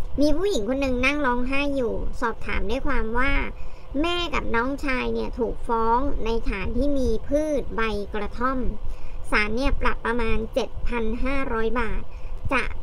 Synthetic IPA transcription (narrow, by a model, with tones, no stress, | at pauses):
miː˧pʰuː˥˩ji˩˦ŋkʰo˧nːɯ˧ŋna˥˩ŋlɔː˦˥ŋɦaː˥˩jːuː˨˩sɔː˨˩p̚t̪ʰa̰ː˩˦mda˥˩jkʰwaː˧mwaː˥˩ | mɛː˥˩ka˨˩p̚nɔː˦˥ŋt͡ɕʰaː˧jni˦˥˩ɐt̪ʰuː˨˩k̚fɔː˦˥ŋna˧jt̪ʰaː˩˦nt̪ʰiː˥˩miː˧pʰɯː˥˩t̪̚ba˧jkɾa˧t̪ʰo˥˩msaː˩˦nːi˥˩ɐpla˨˩pːɾa˧maː˧nt͡ɕe˨˩t̪̚pʰa˧nɦaː˥˩ɾɔː˦˥jbaː˨˩t̪̚t͡ɕa̰˨˩ʔ